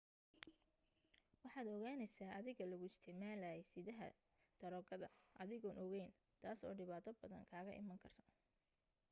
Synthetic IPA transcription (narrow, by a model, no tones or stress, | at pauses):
wɑħɑːd̪ɔɣaːnɛjsaːɐðɪɣɐlɐɣʊɪst̪ʰɪʕmaːlajɛsɪðɐɦɐ̰ | d̪̥ɐɾɔːɡɐðɐʔɐðɪɣɔːnʔɔɣɛjn | t̪ʰaːsɔ̰ːɖɪβaːt̪ʰɔbɐðɐ̰ŋkʰaːɣɐʔɪ̰mɐŋkʰɐrt̪ʰɔ̥